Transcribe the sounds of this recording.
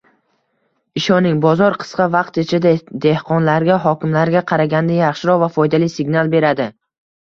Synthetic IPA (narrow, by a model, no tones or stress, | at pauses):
ɪʃɒnɪŋbɒzɒɾqʰɨ̥sqɑvɑq̚t̪et͡ʃʰɪd̪ad̪e̞hqʰɒnlaɾɡʲaɦɒkʲɪmlaɾɡʲaqʰɑɾaɡʲand̪ajaχʃɪɾɒvafɒjd̪alijsɪɡʲnalˠbe̞ɾad̪ɪ